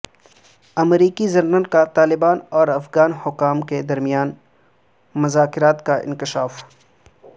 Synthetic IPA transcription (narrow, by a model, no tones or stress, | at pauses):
ɐmɾiːkizɐnnənkat̪aːlɪbaːnɔːɾɐfɣaːnhʊkːaːmked̪ɐɾmijaːn | mʊzaːkɪɾaːt̪kaʔɪ̰̃nkɪʃaːf